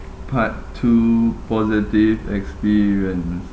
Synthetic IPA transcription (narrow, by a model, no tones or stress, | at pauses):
pʰattʰːupɔzitivɛ̰kspiɹiə̃ns